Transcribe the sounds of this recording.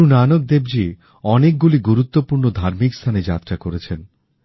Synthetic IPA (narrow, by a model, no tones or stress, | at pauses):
unanok̚d̪ebd͡ʑi | ɔnek̚ɡuliɡuɾut̪ːopuɾnod̪ʱaɾmikst̪ʰaned͡ʑa̰t̪ːɾakoɾet͡ɕʰen